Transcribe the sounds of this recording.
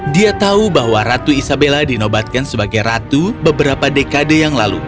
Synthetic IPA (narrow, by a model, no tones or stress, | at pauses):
diat̪aubaɦwaɾat̪uisabeladinobat̪̚kansəbaɡajrat̪ubəbəɾapadekadəjaŋla̰lṵ